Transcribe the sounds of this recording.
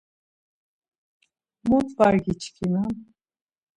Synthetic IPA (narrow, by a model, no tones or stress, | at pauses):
mut̪ʰvaɾɡit͡ʃʰkʰiman